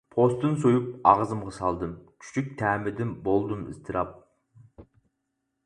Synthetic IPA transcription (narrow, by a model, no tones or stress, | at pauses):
pʰost̪ɨnsojup̚ɑʁzɨmʁɑsɑlˠd̪ɨmkʲʰy̥t͡ʃʰyk̚ʲt̪ʰæːmɪd̪ɪnbolˠd̪ɨmɨ̰st̪ʰɨɾɑp̚